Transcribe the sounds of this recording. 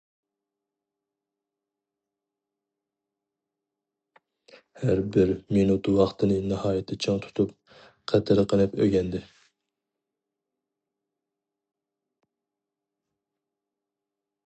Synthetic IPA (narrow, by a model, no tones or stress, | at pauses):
hæɾbɪɾminut̪wɑχt̪ʰɨnɨnɨhɑːjɪt̪ʰːɪt͡ʃʰɪŋt̪ʰu̥t̪ʰup̚ | qʰæt̪ʰɪɾɨqənɨpø̰ɡʲɛnd̪ɪ